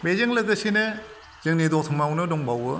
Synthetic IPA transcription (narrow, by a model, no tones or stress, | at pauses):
bezɯŋlɯɡɯsine | z̥ɯŋnidɔk̚tʰɯŋmawnɯdɔŋbawɯ